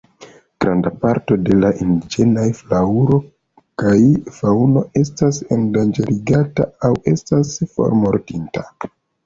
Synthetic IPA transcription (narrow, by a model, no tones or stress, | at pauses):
ɡ̥ɾandapaɾto̞de̞laʔindid͡ʒe̞najflauɾo̞ | kajfauno̞e̞stasendand͡ʒe̞ɾiɡataawe̞̰stasfo̞̰ɾmo̞ɾtinta